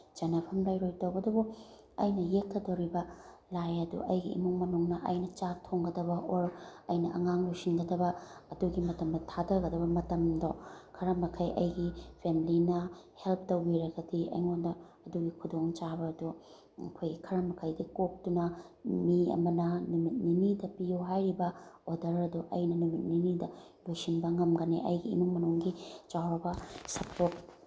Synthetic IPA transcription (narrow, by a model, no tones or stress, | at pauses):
t͡ʃɐnɐpʰɐmlajɾojtɐwɐdubu | ɐjnɐjek̚tʰːɐdɐwɾibɐlajɐdṵʔɐjɡḭːmuŋmɐnuŋnɐʔɐjnɐt͡ʃatʰoŋɡɐdɐbɐʔoɾɐjnɐʔɐ̰ŋaŋlojsinɡɐdɐbɐːduɡimɐtɐmdɐtʰadɐɡɐdɐbɐmɐtɐmdokʰɐɾɐmɐkʰɐjʔɐjɡipʰemilinɐhelp̚ʰtowbiɾɐɡɐdiɐ̰jŋondɐ | ɐduɡikʰudoŋt͡ʃabɐːdṵ | kʰojɡikʰɐɾɐmɐkʰɐjdikok̚tunɐmiɐ̰mɐnɐnumit̚ninidɐpijuɦajɾibɐodɐɾɐduʔɐ̰jnɐnumit̚ninidɐ | lojsinbɐŋɐmɡɐneʔɐ̰jɡḭːnuŋmɐnuŋɡit͡ʃawɾɐbɐsɐpʰot̚